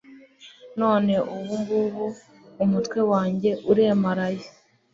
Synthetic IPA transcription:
no̞ːne̞uβuŋɡuβuː | mutkwe̞waːɲɟe̞ʔuɾe̞maɾaje

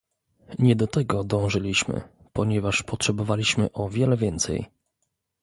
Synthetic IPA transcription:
ɲɛd̪ɔt̪ɛɡɔd̪ɔ̃w̃ʐɘlʲiɕmɘ̰ | pɔɲɛvaʂpɔtʂɛbɔvalʲiɕmɘʔɔvʲjɛlɛvʲjɛnt̪sɛ̰j

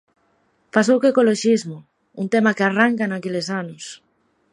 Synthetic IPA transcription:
pasowkekoloʃizmʊ | unt̪emakɪaraŋkanakelɪsanʊs

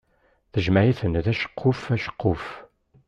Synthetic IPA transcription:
θəʒmæjiθənðæʃə̥qʰːʊfæʃə̥qʰːʊf

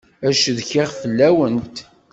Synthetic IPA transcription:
æʃðçɪʁfəlːæwənt̪

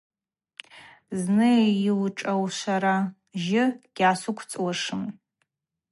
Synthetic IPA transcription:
znɨiwʈ͡ʂʼawʃʷaɾa | ʒɪɡ̥ʲasʷʊkʷʰt͡sʼwaʂɨm

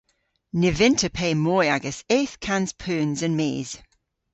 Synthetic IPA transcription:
nɪvɪ̃ntʰəpʰeːmɔːaɡəseːˑθkʰãnz̥pʰʉːnzə̃nmḭːz̥

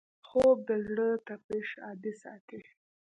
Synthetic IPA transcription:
xob̚d̪əzɽət̪apiʃɑ̰d̪isɑ̰t̪e

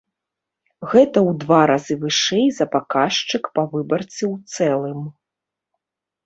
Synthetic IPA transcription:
ɣɛt̪ɐwd̪vaɾazɨvɨʂɛjzɐpakaʂt͡ʂɨkpavɨbɐrt̪siwt̪sɛlˠɨm

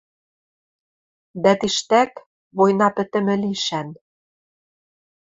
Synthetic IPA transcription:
d̪æt̪iʃt̪æk | βojnɑpɘ̆t̪ɘ̆mɘ̆liʃæn

